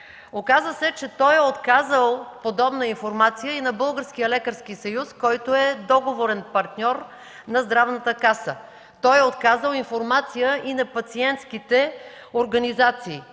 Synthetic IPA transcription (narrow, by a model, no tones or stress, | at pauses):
okazəsɛt͡ʃɛt̪ɔjɛot̪kazəlˠpod̪ɔbnəinfoɾmat̪sijəinɐbɤlˠɡəɾsk̟ijəlɛkəɾskisɐjuskɔjt̪oɛd̪ɔɡovoɾɛnpɐɾt̪nʲɔɾ | nɐzd̪ɾavnət̪əkasə | t̪ɔjɛot̪kazəlˠinfoɾmat̪sijəʔinɐpɐt̪siɛnt̪sk̟it̪ɛ | oɾɡɐnizat̪siː